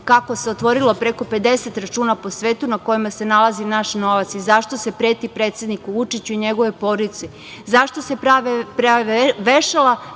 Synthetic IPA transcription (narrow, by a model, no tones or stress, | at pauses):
kako̞se̞ot̪ʋo̞ɾilo̞pɾe̞ko̞pe̞d̪e̞se̞t̪ɾat͡ʃuːnapo̞sʋeːt̪unako̞jimase̞nalazinaʃno̞ʋat̪sizaʃt̪ose̞pɾet̪ipɾet̪sje̞d̪nikuʋut͡ʃit͡ɕuiɲe̞ɡo̞ʋe̞po̞ɾit̪se | zaʃt̪o̞se̞pɾaʋpɾaʋeʃela